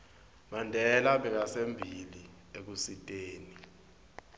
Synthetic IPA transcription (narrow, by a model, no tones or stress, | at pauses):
mandʱɛlaɓɛk̬asembʱili | ek̬usitʼeːni